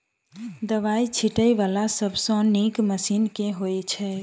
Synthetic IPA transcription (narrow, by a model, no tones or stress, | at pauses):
d̪əʋait͡ʃʰiʈəjʋalasəbʱsə̃nikməsinkẽɦojt͡ʃʰɛ